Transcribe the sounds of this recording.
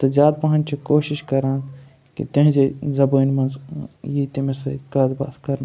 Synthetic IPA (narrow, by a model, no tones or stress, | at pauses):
t̪ɐd͡ʒaːd̪̚pɐɦɐnt͡ʃʰikoːʃiʃkɐɾãːn | kḭt̪ɐ̃ɦd͡ʒezɐbəːnmɐnzjit̪imẽsɐkɐd̪ba̰ːt̪kɐɾn